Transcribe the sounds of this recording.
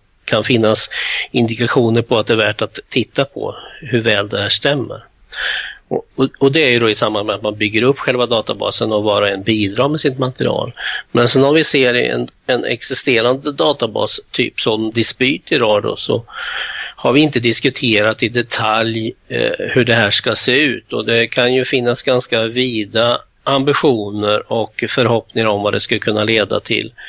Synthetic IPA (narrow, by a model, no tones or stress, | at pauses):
kʰanfɪnːasɪnd̪ɪkaɧuːnəɾpʰɔat̪̚d̪ɛːvæːʈat̪ʰːɪt̪ʰːapʰɔ̰hɵɾvɛːld̪ɛhæːʂt̪ɛmːə̰ɾ | ɔɔɔd̪ɛæɾjɵd̪ɔɪsambanmɛat̪manbʏɡːəɾɵpːɧɛlvad̪ɑːt̪abɑ̰ːsənɔvɑːɾaɛnbiːd̪ɾɑːɾmɛsɪt̪mat̪əɾɪ̰ɑ̰ːlmɛnsɛnɔmvɪseːɾɛ̰nɛnɛ̰ksɪst̪eːɾand̪əd̪ɑːt̪abɑ̰ːst̪ʰy̰ːpsɔmd̪ɪspyːt̪ɪɾɑːd̪ɔ̰sɔ̰ | haɾvɪɪnt̪əd̪ɪskɵt̪ʰeːɾat̪ɪd̪ɛt̪ʰaljhɵɖɛhæːʂkaseːʉ̟̰ːt̪ɔd̪ɛkʰanjɵfɪnːasɡanskaviːd̪a | ʔːmbɪɧuːnəɾɔkfœɾhɔpnɪŋaɾɔmvad̪ɛskakʰɵnːaleːd̪a̰t̪ʰɪ̰l